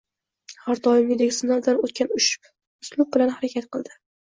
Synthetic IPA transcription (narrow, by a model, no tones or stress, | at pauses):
haɾd̪ɒjɪmʲɪd̪eɡʲɪsɪnald̪anot̪kʲanʊʃ | ʊslˠʊb̚bɪlanhaɾakʲat̪qɨlˠd̪ɪ